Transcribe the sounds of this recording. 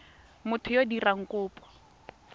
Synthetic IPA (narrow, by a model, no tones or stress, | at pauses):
mʊtʰʊjodiraŋ̩kʊːpʼɔ̥